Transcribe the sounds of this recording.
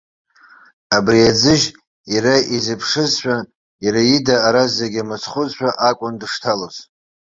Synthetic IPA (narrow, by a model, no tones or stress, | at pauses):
abriad͡zɨʒ | iraizɨpʰʂɨzħʷᶣa | iɾajidaːɾazeɡʲamɨt͡sʰχʷʊzħʷᶣaʔakʷʼʊndɨʂtʰaloz